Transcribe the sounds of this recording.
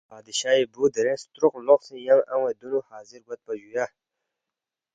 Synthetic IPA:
aːd̪iɕaːibud̪əɾẽst̪ɾʊqloqsĩjaŋa̰wẽd̪unuhaːziɾɡat̪̚paʒuja

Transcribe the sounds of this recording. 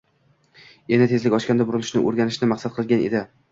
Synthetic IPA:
enat̪ʰe̞zlɪkʲɒʃkʲand̪abʊɾɪlɪʃnɪ̰ʔo̰ɾɡʲanɪʃnɪmaqsat̪̚qʰɨlˠɡʲanḛd̪ɪ

